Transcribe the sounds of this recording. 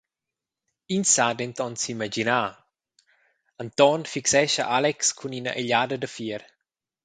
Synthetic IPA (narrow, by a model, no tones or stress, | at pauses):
insadent̪ɔnsimad͡ʒinaː | ant̪ɔnfiksɛʃaʔalɛkskʰuninɐ̰ʔeʎaːdɐdəfiəɾ